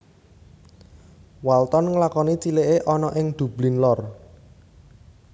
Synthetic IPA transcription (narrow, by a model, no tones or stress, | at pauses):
walt̪ɔnŋəlakɔnit͡ʃileʔeʔɔnɔʔɪŋd̪̥ṳb̥linlɔr